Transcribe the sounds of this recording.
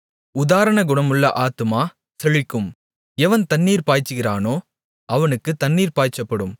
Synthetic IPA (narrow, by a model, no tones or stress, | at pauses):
ʊðaːɾɐɳɐɡʊɳɐmɯɭːɐʔaːt̪ɯmaː | sɛɻɪkːɯm | ɛʋɐnt̪ɐnːiːɾpaːjt͡ʃːɯɣɪraːnoː | ɐʋɐnɯkːɯt̪ɐɳːiːɾpaːjt͡ʃːɐpːɐɽɯm